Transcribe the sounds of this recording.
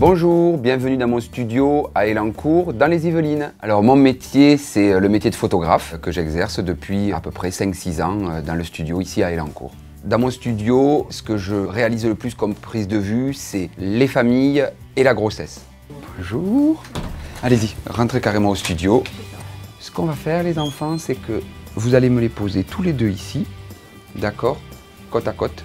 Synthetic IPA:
bɔ̃ʒuʁbjɛ̃vənyd̪ɑ̃mɔ̃st̪yd̪joaelɑ̃kʰuʁd̪ɑ̃lezivəlina̰lɔʁmɔ̃met̪jesɛləmet̪ʲjed̪əfot̪ɔɡʁa̰fkəʒɛɡzɛʁsd̪əpɥia̰pøpχɛsɛ̃ksizɑ̃ød̪ɑ̃ləst̪yd̪joisiaelɑ̃kṵʁ | d̪ɑ̃mɔ̃st̪yd̪josə̥kəʒəʁealizləplyskɔmpχizd̪əvysɛlefamij | elaɡʁosɛs | b̥ɔ̃ʒuʁaleziʁɑ̃t̪χekaʁemɑ̃ost̪yd̪jo | sə̥kɔ̃vafɛʁlezɑ̃fɑ̃sɛkəvuzaleməlepozet̪ʰuled̪øisi | d̪akɔːʁ | kɔt̪akɔt̪

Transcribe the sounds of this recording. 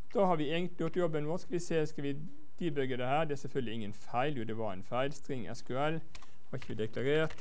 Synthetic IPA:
d̪̥ɑːhɑɾʋɪeːɡənt̪ɪjʊt̪jɔbːənʋoskɑlʋɪseːskɑʋɪ | d̪̥iːbœɡəd̪əhæːɾd̪ɛæɾsɛlfœld̪lɪɪŋːənfæɪljʊd̪ɛʋɑɾæ̰ɪnfæɪlst̪ɾɪŋʔɛ̰skʉɛl | hɑɪçːəʋɪd̪ɛkʰlɑɾeːɾt̪

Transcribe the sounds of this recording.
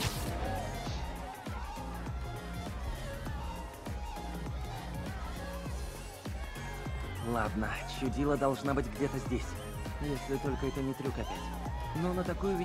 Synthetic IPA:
lˠa̰d̪nət͡ɕːʊdʲilˠəd̪ɐlˠʐnabɨtʲɡdʲet̪əzʲdʲesʲ | jesʲlʲɪt̪o̞lʲkəɛt̪ənʲɪt̪ɾʲukɐpʲætʲ | nonət̪ɐkujʊvʲɪ

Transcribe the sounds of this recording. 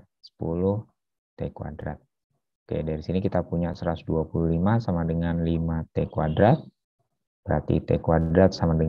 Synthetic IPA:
sə̥pṵlʊh | t̪ekwa̰dɾa̰t̪̚ | kḛdaɾisinikit̪apuɲasəɾasduapuluhlimasamadəŋanlimat̪ekwadɾat̪̚ | bəɾart̪ḭt̪ḛkwaddɾat̪̚samadə

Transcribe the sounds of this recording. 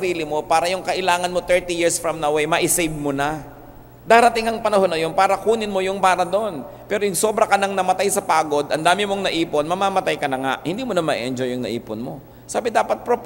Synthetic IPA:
ɐɾiːlɪmo̞paːɾɐjʊŋkɐʔɪlaːŋɐnmo̞t̪ɛɹt̪ijiɹsfɹɐmnɐwɛjmɐʔɪsejb̚monɐ | d̪aːɾɐt̪ɪŋɐŋpɐnɐho̞nːɐjo̞npaːɾɐkuːnɪnmojʊŋbaːɾɐd̪oʔon | pɛːɾojʊŋso̞ːbɾɐkɐnɐŋnɐmɐt̪ajsɐpaːɡo̞d̪ʔɐnd̪aːmɪmo̞ŋnɐʔiːponmɐmaːmɐt̪ajkɐnɐŋa̰ʔhɪnd̪iːmonɐmɐʔḭʔɛnd͡ʒojʊŋnɐ̰ʔḭːpʊnmo̞ | saːbɪd̪aːpɐt̪̚pɾop

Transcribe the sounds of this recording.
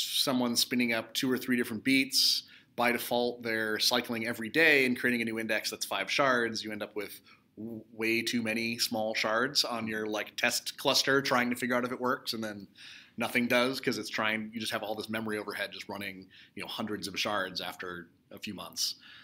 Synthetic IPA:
sʌ̃mwʌ̃nspɪ̃ñɪ̃ŋʌp̚tʰʉə˞θɹiɾɪfɹɨ̃nb̥its | b̥aɪðɨfɔlˠt̪̚ðə˞saɪklˠɪ̃ŋɛvɹideɪɨ̃nkʰɹ̥ieɪɾɪ̃ŋɨnʉɪ̃ndɛksðætsfaɪv̥ʃɑɹdzjɨɛ̃ndʌpwɪð̥ | weɪtʰʉmɛɾ̃ismɔlˠʃɑɹdz̥n̩jə˞laɪk̚tʰɛstkʰl̥ʌstə˞tʰɹ̥aɪɪ̃ŋtɨfɪɡjə˞aʊɾɨfɨt̚ʔ̚wɜ˞ksɨ̃nðɨ̃nːʌθɪ̃ŋdʌz̥kʰʌzɨtstʰɹ̥aɪɪ̃ŋjɨd͡ʒʌst̚hɨvɔlˠðɪsmɛmə˞ioʊvə˞hɛd̚d͡ʒʌst̚ɹʌñɪ̃ŋjɨnoʊhʌ̃ndɹɨdzʌv̥ʃɑɹdzæftə˞ | əfjʉmʌ̰̃nθs

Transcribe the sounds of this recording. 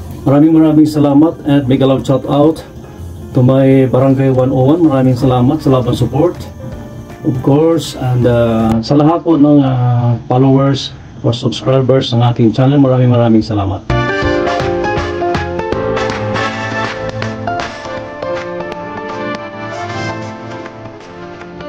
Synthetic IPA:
mɐɾaːmɪŋmɐɾaːmɪŋsɐlaːmɐt̪ɛnt̪̚mɐjɡɐlaŋt͡ʃat̪awt̪ | t̪ʊmɐjbɐɾɐŋɡajwanʔowɐnmɐɾaːmɪŋsɐlaːmɐt̪sɐlaːbɐnsʊpoɹt̪ | ʔɔfkoɹsɛnd̪asɐlɐɦat̪̚ponɐŋafalowɛɹs | fosʊbskɹajbɛɹsnɐŋʔaːt̪ɪŋt͡ʃanɛlmɐɾaːmɪŋmɐɾaːmɪŋsɐlaːmat̪̚

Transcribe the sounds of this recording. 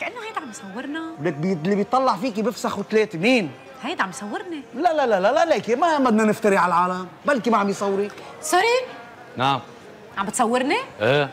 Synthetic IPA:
kaʔɪnːohajd̪ʕambjsˤɑwːɪɾˤnaleblibjt̪ˤːɑlːɑʕfiːkibɪfsaxut̪leːt̪miːn | hajd̪ʕambisˤɑwːɪɾnilalalalalaleːkɪmabad̪nanɪft̪aɾiʕalʕaːlambalːkimaʕambjsˤɑwːɾi | sʊɾi | naʕam | ʕambɪt̪sˤɑwːɪɾniʔeː

